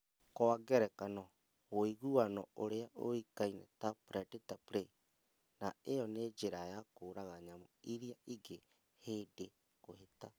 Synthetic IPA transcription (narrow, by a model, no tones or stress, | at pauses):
kɔaɡɛɾɛkanɔ | ɣoiɣuanɔoɾeaʔo̰ikainɛ̰tapɾɛdetapɾe | naejɔned͡ʒeɾajakoːɾaɣaɲamoiɾiaiɡe | hede | koheta